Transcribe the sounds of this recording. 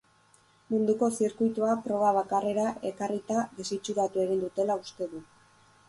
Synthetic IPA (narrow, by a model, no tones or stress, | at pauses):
mund̪uko̞siɾkujt̪uapɾo̞β̞aβ̞akare̞ɾaʔe̞karit̪aðesit͡ʃuɾat̪ue̞ɣind̪ut̪e̞laust̪e̞ðu